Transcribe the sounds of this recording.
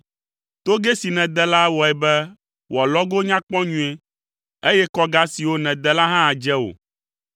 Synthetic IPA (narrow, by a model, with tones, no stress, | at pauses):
t̪o˦ɡɛ˦si˨nɛ̃˨d̪ɛ˦la˦wɔ˨ɛ˨bɛ˦ | wa˨lɔ˦ɡo˦ɲã˦k͡pɔ̃˦ɲũ˦ɛ˦ | e˦jɛ˦kɔ˦ɡa˦si˨wo˦nɛ̃˨d̪ɛ˦la˦ɦã˦a˨d͡ʒɛ˦wo̰˨